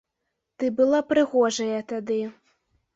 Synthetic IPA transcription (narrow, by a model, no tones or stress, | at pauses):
t̪ɨbɨlˠapɾɨɣɔʐɐjɐt̪ad̪ɨ